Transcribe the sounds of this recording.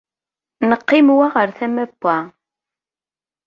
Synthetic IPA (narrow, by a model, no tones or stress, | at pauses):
nəqːɪmwaʁəɾθæmæbːæ